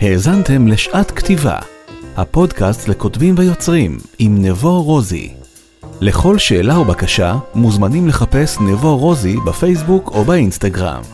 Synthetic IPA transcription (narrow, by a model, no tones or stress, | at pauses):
he̞ːzante̞mle̞ʃʔatktiva̰hapo̞dkastleko̞tbimvejo̞t͡sʁimimnevo̞ʁo̞zḭ | le̞χo̞lʃe̞ːlaubakaʃamuzmanimle̞χape̞snevo̞ʁo̞zibafe̞js̬bukobainstaɡʁa̰m